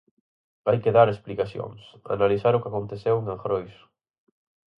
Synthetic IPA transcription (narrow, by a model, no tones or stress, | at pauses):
bajkeðaɾesplikasjo̰ŋsa̰naliθaɾʊkakont̪eθeweŋaŋxɾojs